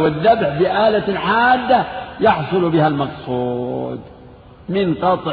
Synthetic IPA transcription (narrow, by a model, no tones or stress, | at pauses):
wɪðːabħbɪʔaːlaħaːd̪ːajɑħsˤʊlbɪhalmɑqsˤuːd̪ | mɪnqɑt̪ˤ